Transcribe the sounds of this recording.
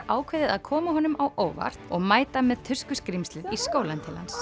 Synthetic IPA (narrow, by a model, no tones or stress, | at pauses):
ʔaːwkʰvejðɪðaðkʰɔːmaɦɔnʏmawʔoːwva̰r̥t̪ɔɣmaːjt̪amɛðt̪ʰʏ̥skʏskɾimst̪lɪðiskoːwlant̪ʰɪlha̰ns